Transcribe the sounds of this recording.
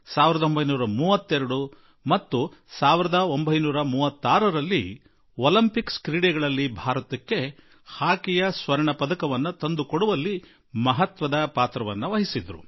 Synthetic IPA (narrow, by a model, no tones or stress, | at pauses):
saːʋiɾɐd̪ɐo̞mbʱɐjnuːɾɐmuːʋɐt̪ːɛɾɐɽu | mɐt̪ːusaːʋiɾɐd̪ɐo̞mbʱɐjnuːɾɐmuːʋɐt̪ːaːɾɐɾɐlːi | olɐmpikskɾiːɽɛɡɐɭɐlːibʱaːɾɐt̪ɐkːe̞ | haːkijɐsʋɐɾɐɳɐpɐd̪ɐkɐʋɐnːut̪ɐnd̪ukoɽuʋɐlːi | mɐɦɐt̪ʋɐd̪ɐpaːt̪ɾɐʋɐnːuʋɐɦisid̪ɾṵ